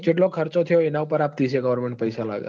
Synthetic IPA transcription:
d͡ʒeʈ̬lokʰəɾt͡ʃot̪ʰəjoenaupəɾap̚d̪iseɡəʋəɾmeɳʈ̚pəjsala̰ɡja̰

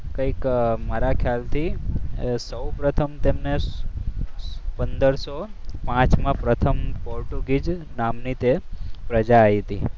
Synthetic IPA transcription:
kəikmaɾakʰjalt̪ʰi | səwpɾət̪ʰəmt̪emne | pənd̪əɾsopãt͡ʃmãpɾət̪ʰəmpɔɾʈuɡid͡ʒnamnit̪epɾəd͡ʒaːɦit̪i

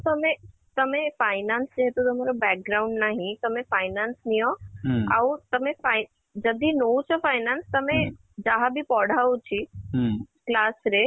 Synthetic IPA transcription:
t̪ɐmẽ | t̪ɐmẽfaːɪnaːnsd͡ʑeɦet̪ut̪ɐmeɾobɛːk̚ɡɾaʊ̃ɳɖnaːɦĩt̪ɐmẽfaːɪnaːnsnijõaut̪ɐmẽfa | d͡ʑɐd̪ʱinout͡ɕʰɐfaːɪnaːnst̪ɐmẽ | d͡ʑaɦabʱipɔːɽ̤ʱaːut͡ɕʰi | klaːsɾe

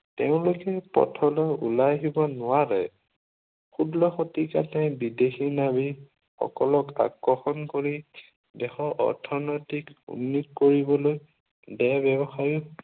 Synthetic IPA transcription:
teʊ̃lʊkɛpɔ̰tʰɔlɔṵlajɦibɔnʊwaɹɛ̰ | xudlɔxotika̰tɛ̃bidexiɹnabi | xɔ̰kɔlɔka̰kɹɔxɔnkoɹi | dɛxɔʔɔ̰ɹtʰɔnɔjtikṵnːit̚koɹibɔloj | dɛbɛbɔxaɹi

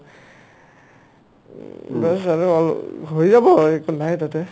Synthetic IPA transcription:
bɛsaɹuɔl̰ɦojzabɔekunajtatɛ

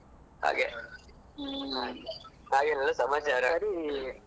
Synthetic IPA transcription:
ha̰ːɡe | ɦaːɡelɛlːasɐmaːt͡ʃaːɾaɾi

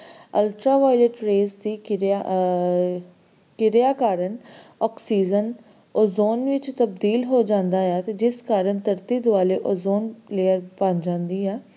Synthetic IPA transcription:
əlʈɾaːʋaːileʈɾeːzd̪iː | kɪɾjaːkaːɾənɔːksiːzən | oːzoːnʋɪt͡ʃt̪əb̚d̪iːlɦoːd͡ʒãːnd̪aːɛːt̪eːd͡ʒɪskaːɾəɳt̪əɾt̪iːd̪ʊaːleːʔoːzoːnleːəɾbãnd͡ʒãːnd̪iːɛː

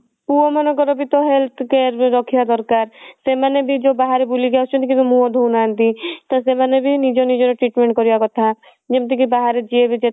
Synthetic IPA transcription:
puomɔnɔkɔɾɔbit̪ɔɦelt̪ʰkeɾɾɔkʰijad̪ɔɾkaɾsemanebʱid͡ʒobaɦaɾebuliɡasʰɔnt̪ʰikit̪ɔmuɔd̪ʱownaːnt̪it̪asemanebʱinid͡ʒɔnid͡ʒɔɾɔʈɾiʈmẽɳʈkɔɾijakɔt̪ʰa | d͡ʒemt̪ikibaɦaɾed͡ʒiebid͡ʒe

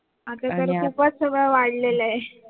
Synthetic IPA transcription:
at̪at̪əɾkupat͡ssəɡɭəʋaɽleləe

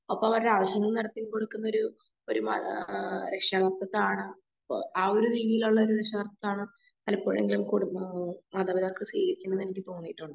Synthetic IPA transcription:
ɐpːomɐʋɐɾɽaːʋɐɕjɐŋːɨnɐɽɐt̪ːimkoɽukːunːɐo̞ɾu | oɾumɐ̰ɾekʂaːɣɐrt̪ːɐt̪ːaːɳɨ̰ | ɐoɾuɾiːðijiluɭːɐoɾuɾekʂaːɣɐrt̪ːɐt̪ːaːɳɨ | ɐlɐpːo̞ːɻe̞ŋɡilumkoɽmɐd̪aːbid̪aːkːɐɭsiːɣɐɾikʲːunːɐnenikʲːɨt̪oːnːijʈːuɳɖɨ

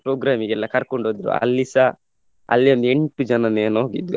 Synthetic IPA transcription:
pɾoːɡɾaːmiɡɛlːɐkɐɾkoɳɖod̪iɾṵɐ̰lːisa | ɐ̰lːiɐnd̪eɳʈud͡ʒɐnɐneːnoːɡid̪u

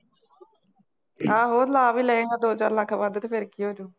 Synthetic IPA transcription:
kaːɦoːd̪laːʋiːlɛːnaːd̪oːt͡ʃaːɾlakʰːabaːd̪t̪epʰɪɾkiːoːd͡ʒoː

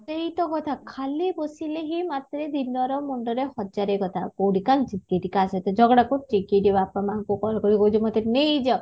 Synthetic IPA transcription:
seɦit̪ɔɡɔt̪ʰakʰalibɔsileɦimat̪ɾed̪inɔɾɔmuɳɖɔɾehɔd͡ʒaɾeɡɔt̪ʰakowɽikalʈikeʈikaset̪ɔd͡ʒɔɡɽakuʈikiʈibapɔmaŋkukɔɾɔkɔɾikɔut͡ʃʰumɔt̪eneid͡ʒɔ

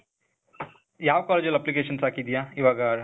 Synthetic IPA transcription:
jaːʋkaːled͡ʒjɐlɐplik̬eːʃɐnsaːkid̪ijaːiʋaːɡa

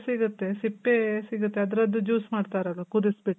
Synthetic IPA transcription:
siɡut̪ːe̞sipːesiɡut̪ːeɐd̪ɾɐd̪ːud͡ʒuːsmaːɖt̪aːɾɐlːɐkud̪isbiʈːu

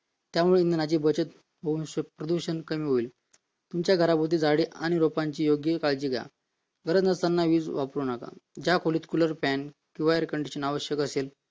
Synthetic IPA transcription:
t̪jamuɭeind̪ənad͡ʑiːbət͡ɕət̪ | ɦounɕepɾəd̪uɕənkəmiːɦoiːl | t̪umt͡ɕjaɡʱəɾapot̪̬iːd͡zaɽiːʔaɽ̃iɾopaɲt͡ɕiːjoɡjəkaɭd͡ʑiːɡʱja̰ | ɡʱəɾəd͡znəst̪anːaʋiːd͡zʋapɾuːnaka̰d͡ʑakʰolit̪kuləɾpɛn | kĩʋaeɾekəɳɖiɕənaʋəɕjəkəsel

